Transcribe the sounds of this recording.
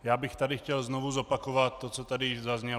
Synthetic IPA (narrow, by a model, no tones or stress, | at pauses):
jaːbixt̪adixcɛlznɔʋuzɔpakɔʋat̪ːɔt͡sɔt̪adizazɲɛ